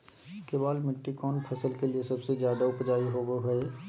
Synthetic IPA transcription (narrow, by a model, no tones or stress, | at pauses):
kebaːlmɪʈːikɔːnpʰɐsəlkeliesɐbsezjaːd̪aʊpd͡ʒaːiɦoːɡoɦɐe